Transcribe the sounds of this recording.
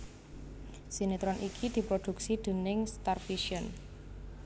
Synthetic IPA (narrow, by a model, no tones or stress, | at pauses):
sinit̪ɾɔnʔikʰid̪̥i̤pɾod̪̥ṳksid̪̥ə̤nɪŋst̪arfiʃiən